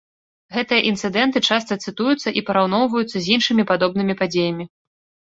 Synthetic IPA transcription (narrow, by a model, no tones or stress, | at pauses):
ɣɛt̪ɨjɐʔint̪sɨd̪ɛnt̪ɨt͡ʂast̪ɐt̪sɨt̪ujut̪sːɐʔipɐɾawn̪ɔwvɐjut̪sːɐzʲinʂɨmʲipad̪ɔb̚nɨmʲipad͡zʲejɐmʲi